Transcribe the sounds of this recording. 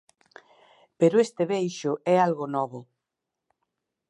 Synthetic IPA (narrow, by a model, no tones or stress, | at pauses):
peɾʊest̪eβejʃʊɛalɣonɔβʊ